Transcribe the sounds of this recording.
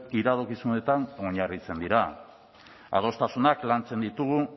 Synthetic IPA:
iɾaðokisune̞t̪ano̞ɲarit͡se̞nd̪iɾa | a̰ð̞o̞st̪asunaklant͡se̞nd̪it̪uɣu

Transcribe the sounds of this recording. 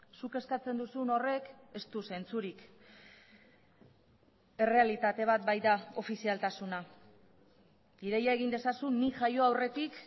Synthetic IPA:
suke̞skat͡se̞nd̪usuno̞re̞k | e̞st̪use̞nt͡suɾik | e̞re̞alit̪at̪e̞β̞at̪̚bajd̪ao̞fisialt̪asuna | iɾe̞jae̞ɣind̪e̞sasuniʝajo̞awre̞t̪ik

